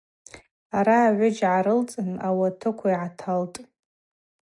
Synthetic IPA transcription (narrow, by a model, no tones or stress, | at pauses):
aɾaːʕʷʊd͡ʒʕaɾɨlt͡sʼɨnawatʰɨkʷʰaiʕatʰaltʼ